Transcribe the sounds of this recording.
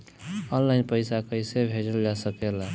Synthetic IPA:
ɔnlaɪnpəɪsakəjsebʱed͡ʒəld͡ʒasəkela

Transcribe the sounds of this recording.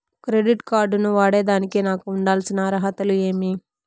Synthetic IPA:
kɾeɖiʈkaːɾɖnuʋaːɽe̞ːd̪aːnikeːnaːkuːɳɖaːlsinɐɾɐɦɐt̪ɐlue̞ːmi

